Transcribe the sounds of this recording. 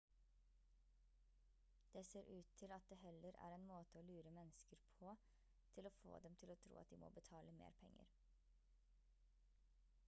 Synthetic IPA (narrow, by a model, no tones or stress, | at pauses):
d̪̥eːseːɾʔʉːt̪ʰːɪlɑt̪̚d̪eːhɛləɾæ̰ːɾeːnmoːt̪əoːlʉːɾəmɛnəskəɾpʰoː | t̪ʰɪloːfo̰ːd̪ɛmt̪ʰɪloːt̪ʰɾṵːɑt̪̚d̪iːmo̰ːbət̪ʰɑːləmḛːɾpʰɛŋə̰ɾ